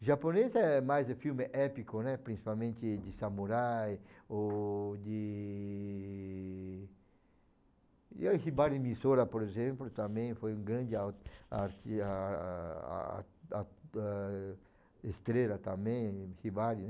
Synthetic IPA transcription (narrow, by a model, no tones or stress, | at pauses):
ʒaponezɛmajzefiwmɪʔɛpikonɛpɾĩsi̥palmẽnt̪ɪd̪ɪsamuɾajod̪ɪ | ahibaɾɪmisoɾɐpoɾezẽmplʊt̪ãmẽj̃fojũŋɡɾɐ̃nd̪ɪawt̪a̰ɾt̪ia̰ | a | est̪ɾelɐt̪ãmẽj̃hibaɾin